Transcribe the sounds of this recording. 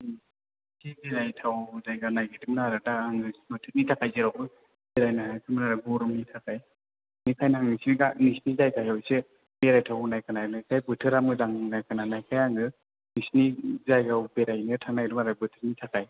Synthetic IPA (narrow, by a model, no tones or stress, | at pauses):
sibeɾajtʰawzajɡanajɡetipmnaɾɯdaːŋɯmɯtʰɯk̚nitʰakajziɾawbɯ | beɾajnaɦakʰɯmanaɾɯbɔɾumnitʰakʰaj | nikʰajnaaŋnisniɡanisnizajkʰajawse | beɾajtʰawnajkanajnajkʰajbɯtʰɯɾamɯzaŋnajkʰananajkʰajaŋɯ | nisnizajɡawbeɾajnɯtʰaŋnajɾumaɾabɯtʰɯɾ̚nitʰakaj